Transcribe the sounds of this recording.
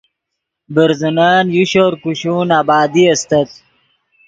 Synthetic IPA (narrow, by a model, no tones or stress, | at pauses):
bəɾzɐnaːnjuɕoɾkuɕuːnaːbaːd̪iɐst̪ɐt̪